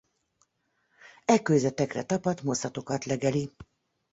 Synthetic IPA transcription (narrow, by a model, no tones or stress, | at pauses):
ɛkːøjzɛt̪ɛkrɛ̰t̪ɒpɒt̪mo̞sɒt̪o̞kɒt̪lɛɡɛli